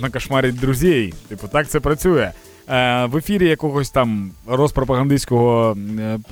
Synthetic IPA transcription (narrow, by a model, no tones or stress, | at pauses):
nɐkɐʃmɑɾʲid̪ɾʊzʲejt̪ɨpʊt̪ɑkt̪sɛpɾɐt͡sʲujɛ | ʋefʲiɾʲijɐkɔɣɔsʲt̪ɑmrɔspɾɔpɐɣɐnd̪ɪsʲkɔɦɔ